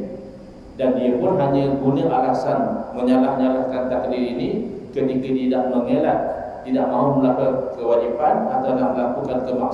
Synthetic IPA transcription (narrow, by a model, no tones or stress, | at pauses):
dandiəpʊnɦaɲəɡunəʔalasanmə̃ɲalahɲalahkant̪akdiɾinikət̪ikətidaʔməŋelat̪̚ | t̪idaʔmãɦuməlaɦəkəwad͡ʒipanat̪awnahməlakukankəbak